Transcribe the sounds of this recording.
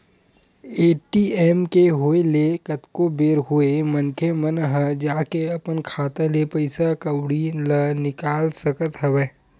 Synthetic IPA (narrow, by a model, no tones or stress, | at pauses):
eːʈiːeːmkeɦoelekət̪kobeːɾɦoemənkʰemənɦəd͡ʒaːkeɐpənkʰaːt̪ẽlepɐɪsakəwɽilənɪkaːlsəkət̪ɦəʋeː